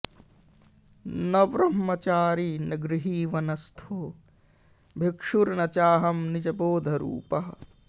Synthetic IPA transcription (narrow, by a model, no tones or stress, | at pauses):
nɐʋɾɐmːɐt͡ʃaːɾiːnɐɡɾiɦiːʋɐnɐst̪ʰoː | bʱikʂuɾnɐt͡ʃaːɦɐmnid͡ʒɐboːd̪ʱɐɾṵːpɐɦɐ